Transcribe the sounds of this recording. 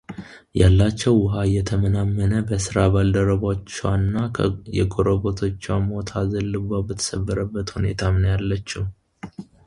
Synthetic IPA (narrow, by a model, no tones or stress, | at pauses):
jalːat͡ʃːɛwːʊɦajɛt̪ʰəmənamːənəbəsɨɾaβald̪əɾəβat͡ʃːɛwanːajɛɡʼoɾoβo̞t̪ʰo̞t͡ʃːwamo̞t̪ʰazəlːɨbabət̪ʰə̥səbːəɾəbːət̪hune̞̰t̪ʰamnəjalːət͡ʃːum